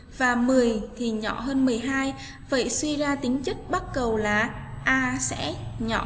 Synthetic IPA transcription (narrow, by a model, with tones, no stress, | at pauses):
vaː˨˩mɨ˨˩əjt̪ʰi˨˩ɲɔ̰˧˨ɦəː˧nmɨ˨˩əjɦaː˧j | və̰˧˨jswi˧zaː˧t̪ï˨˦ŋt͡ɕɨ˦˥k̚ɓa˦˥t̚kə˨˩wlaː˨˩ʔaː˧sɛ̰˧˥ɲɔ̰˧˨